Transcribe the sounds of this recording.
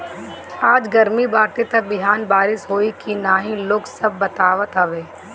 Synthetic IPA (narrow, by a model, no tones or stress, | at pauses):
aːd͡ʒɡɐɾmibaːɾʈ̪et̪ɐk̚bɪɦaːnbaːɾɪʃɦoːikinaːɦĩloːɡsɐbːɐt̪aːʋət̪ɦɐʋeː